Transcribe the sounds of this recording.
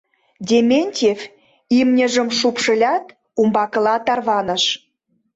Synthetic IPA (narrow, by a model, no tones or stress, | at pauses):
dʲemʲenʲtʲef | imnʲə̆ʒə̆mʃupʃə̆lʲɑt̪ | umbɑkə̆lɑt̪ɑrβɑnə̆ʃ